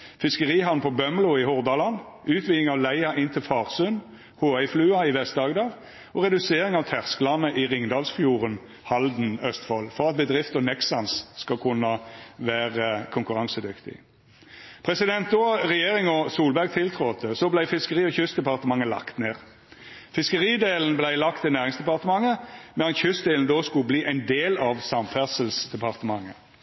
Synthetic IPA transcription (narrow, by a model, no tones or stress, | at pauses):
fɪskəʁiːɦɑʋnpʰɔbœmlʊɪhʊʁd̪ɑːlɑn | ʉːt̪ʰʋɪːɪŋɑʋlæɪɑʔɪnt̪ʰɪlfɑːʁsʉn | hoːæɪflʉːɑɪʋɛst̪d̪ɑːɡd̪ɑːʋ | ɔʁɛd̪ʉseːʁɪŋɑʋt̪ʰæʁskəlɑnəʔɪʁɪŋd̪ɑːlsfjuːʁən | hɑld̪n̩œst̪fɔlfɔʁɑt̪̚bəd̪ʁɪft̪ɔnɛksɑnsskɑkʰʊnɑʋæːʁəkʰʊŋkʉʁɑŋsəd̪ʏkt̪ɪ̰ | pʰʁɛsɪd̪ɛnt̪̚d̪oːʁɛjeːʁɪŋɔsuːlbæʁɡ̚t̪ʰɪlt̪ʰʁoːt̪əsɔblæɪfɪskəʁiːɔçʏsd̪ɛpɑʁt̪əmɑŋːəlɑ̰kt̪neːʁ | fɪskəʁiːd̪eːln̩blæɪlɑkt̪ɪnæːʁɪŋsd̪ɛpɑʁt̪əmɑŋːəmɛnɑt̪çʏsd̪eːln̩d̪oːskʉbliːʔæɪnd̪eːlɑʋsɑmfæʁsəlsd̪ɛpɑʁt̪əmɑŋːə